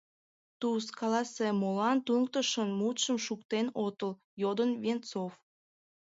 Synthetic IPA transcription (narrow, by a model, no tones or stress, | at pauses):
t̪uskɑlɑsemolɑnt̪uŋk̚t̪əʃənmut̪ʃəmʃukt̪enot̪əl | jod̪ənvent͡sof